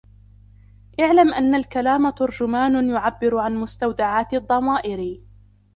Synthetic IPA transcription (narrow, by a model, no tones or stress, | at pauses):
ʔaʕlamʔanːalkalaːmat̪ʊɾd͡ʒʊmaːnjʊʕabːɪɾʕanmʊst̪awd̪aʕaːt̪d̪ˤːɑmaːʔɪɾ